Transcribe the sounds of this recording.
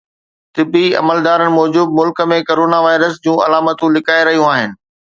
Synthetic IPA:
t̪ɪbiɐ̰məld̪aːɾənɪ̆mɔːd͡ʑuːb̪̚mʊlkə̆mẽkoːɾoːnaʋaːɪɾəsd͡ʑũːɐ̰laːmət̪ũlɪkaːeɾɐɦijũaːɦɪnɪ̆

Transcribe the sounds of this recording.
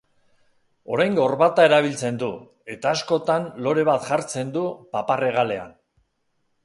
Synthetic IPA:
o̞ɾajŋɡo̞ɾβat̪ae̞ɾaβ̞ilt͡se̞nd̪u | e̞t̪aːsko̞t̪anlo̞ɾe̞β̞at̪ʝaɾt͡se̞nd̪upapare̞ɣ̞ale̞a̰n

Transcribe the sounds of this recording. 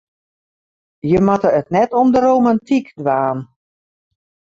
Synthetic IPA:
jəmatəətnɛtɔmdəɾowmantikdʋaːn

